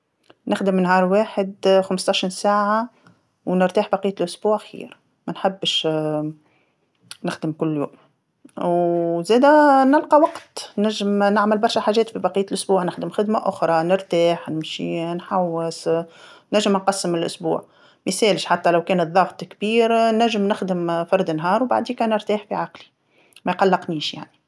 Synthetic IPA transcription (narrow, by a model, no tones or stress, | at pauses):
nɪxd̪ɪmnhɑːɾˤwaːħɪd̪xamst̪ˤɑʃɾiːnsaːʕa | wnɪɾt̪aːħbɑqijːalʔʊsbuːʕxḭːɾ | mænħabːʃ | nɪxd̪əmkʊlːjṵːm | wzæːd̪ænɪlqɑwɑqt̪næʒːɪmnɪʕmɪlbɑɾˤʃæħaːʒɛːt̪fibɑqijːt̪lʔʊsbuːʕnɪxd̪əmxɪd̪maʔʊxɾˤɑnɪɾt̪aːħnɪmʃḭnħawːɪsnæʒːəmnqɑsːəmɪlʔʊ̰sbṵːʕ | misɛːlɪʃħat̪ːælawkɛːnət̪ðˤɑɣt̪ˤkbiːɾnæʒːəmnɪxd̪əmfɑɾˤd̪ɪnɦɑːɾwba̰ʕd̪iːkæːnɪɾt̪aːħfiʕaqli | mæjqɑlːɪqniːʃja̰ʕni